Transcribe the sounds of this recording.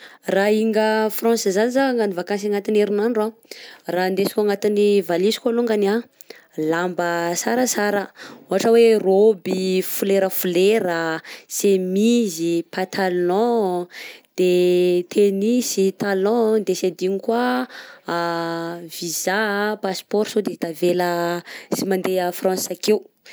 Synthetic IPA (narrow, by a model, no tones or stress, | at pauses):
raiŋɡəfrɔ̃nszanizaŋɡanivakãns̬aŋat̪ineɾinanɖ͡ʐarand̪esi̥kʲaŋat̪inivalisi̥kaluŋɡana | lambəsaɾəsaɾəoɦaʈ͡ʂəwerobifuleɾəfuleɾəsemizipat̪ʰalɔ̃ | d̪̥et̪ʰenisit̪alɔ̃d̪esed̪inikwa | vizapaspɔɾsod̪et̪aveləsimand̪eəfrɑ̃nsakew